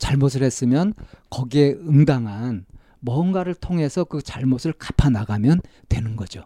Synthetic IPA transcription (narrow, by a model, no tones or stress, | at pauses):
t͡ɕaɭmosʰɯɭhes͈ɯmjʌnkʌɡie̞ɯŋdaŋɦan | mʌnɡwaɾɯɭtʰoŋɦe̞sʰʌkɯt͡ɕaɭmosʰɯɭkḁpʰanaɡamjʌn | twe̞nɯnɡʌd͡ʑo